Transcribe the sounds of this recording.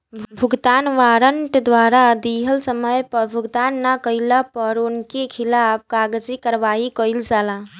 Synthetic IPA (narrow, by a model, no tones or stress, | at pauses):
bʱuɡt̪anʋaɾəɳʈd̪ʋaɾad̪iɦəlsəməjpəbʱuɡt̪anːakəilapəɾonkekʰilap̚ʰkaɡd͡ʒikəɾʋaɦikəɪld͡ʒala